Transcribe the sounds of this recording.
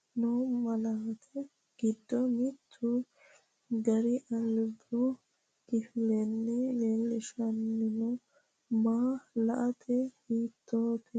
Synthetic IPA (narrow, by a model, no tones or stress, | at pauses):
noːmɐlaːt̪ʰɛ | ɡ̥ɪd̪ːɔmɪt̪ʰːʊ | ɡɐɾɪʔɐlbʊ | kɪflɛnːɛleːlːɪʃɐnːɪnɔ | maːlɐʔɐt̪ʰɛhiːt̪ːoːt̪ʰɛ